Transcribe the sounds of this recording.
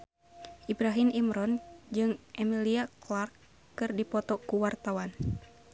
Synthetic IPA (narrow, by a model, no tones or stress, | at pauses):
ʔibɾaɦimimɾɔnd͡ʒɨŋʔɛmiliaklarkː | ɨrdipɔt̪ɔkuwart̪awan